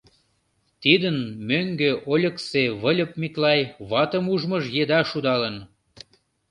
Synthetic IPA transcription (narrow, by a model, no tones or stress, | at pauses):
t̪id̪ənmøŋɡeʔolʲəkseβəlʲə̆p̚mʲiklɑjβɑt̪əmuʒməʒjed̪ɑʃud̪ɑlən